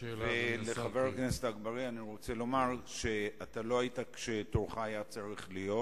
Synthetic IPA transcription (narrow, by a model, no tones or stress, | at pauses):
veleχaveʁknesetaːɡbaʁianiʁo̞t͡se̞lo̞maʁʃe̞atalo̞aitakʃe̞toʁχaːjat͡saʁiχlijo̞t